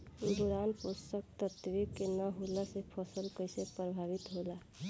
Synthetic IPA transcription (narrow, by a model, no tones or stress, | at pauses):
d̪uɾanpust̪ək̚t̪ət̪ʋikːenəɦulasepʰəsəlkəjsepɾəbʱaʋit̪ɦola